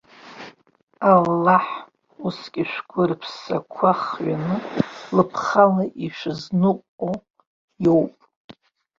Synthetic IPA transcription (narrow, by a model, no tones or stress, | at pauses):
alːaħ | uskʲʼiʃᶣʷɡʷʊrpʰsakʷʰaχɥanɨlɨpʰχalaʔiʃɨznɨqʷʼo | jo̞wpʼ